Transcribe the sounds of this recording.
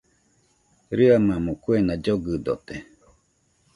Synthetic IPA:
ɾɨamãmõkuenad͡ʒoɡɨd̪o̰t̪e

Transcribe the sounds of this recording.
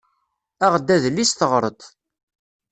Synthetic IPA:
æʁd̪ːæðlːisθəʁɾˤət̪ˤ

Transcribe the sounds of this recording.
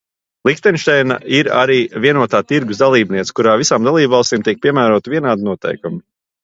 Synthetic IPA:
lˠixt̪ɛnʃt̪ɛjna̰iɾa̰ɾiːviɛnuɔt̪aːt̪iɾɡusd̪alˠiːbniɛt̪skuɾaːvisaːmd̪alˠiːbvɑlˠst̪iːmt̪iɛk̚pʲiɛmæːɾuɔt̪viɛnaːd̪inuɔt̪ɛ̰jkumu

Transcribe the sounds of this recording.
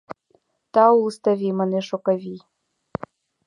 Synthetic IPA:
t̪ɑulst̪avʲimaneʃokavʲi

